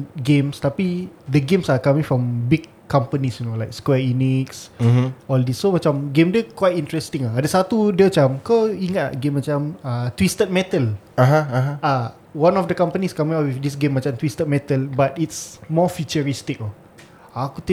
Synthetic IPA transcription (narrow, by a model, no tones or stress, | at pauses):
ɡẽmst̪apidəɡẽmsakamĩŋfɹɔ̃mbiɡʰːampənisjunolajkskwɛiniks | ɔldisːomat͡ʃamɡẽmdəkwajt̚ĩnt̪ɹɛst̪ĩŋlaadəsat̪udiəmat͡ʃamkawiŋət̪̚a̰ɡẽmːat͡ʃamət̪wist̪ət̪̚mɛt̪əl | aɦaaɦaa | wãnɔfdəkãmpəniskamĩŋawifdis̬ɡẽmːat͡ʃamt̪wist̪ət̪̚mɛt̪əlbat̪itsmɔfit͡ʃəɹist̪ik̚a | akut̪